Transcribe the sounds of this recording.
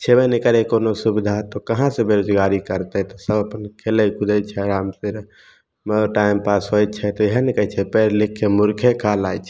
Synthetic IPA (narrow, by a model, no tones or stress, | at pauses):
t͡ʃʰebɛnikəɾekonosubid̪ʱat̪ɔkəɦãsẽbeɾod͡ʒɡaɾikəɾt̪ɛt̪ɔsəbʱəpənkʰeləkʰud̪ɛt͡ʃʰɛɾamsiɾ | moʈaɪmpasɦoj̪̚t͡ʃʰɛt̪ɔeɦənekət͡ʃʰɛpɛɾlikʰːemuɾkʰekʰalajt͡ʃʰɛ̥